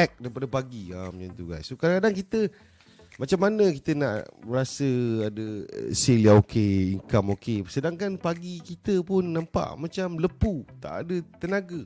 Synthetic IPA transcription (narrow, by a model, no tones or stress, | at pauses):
ɛk̚daɾipadəpaɡiamant̪uɡassokadaŋkadaŋkit̪ə | mat͡ʃamːanə̃kit̪əna̰ʔməɾasəadəseliaokʰeiŋkamokesədaŋkanpaɡikit̪əpʊnːãmpa̰ʔmat͡ʃamləput̪a̰ʔa̰dət̪ənaɡə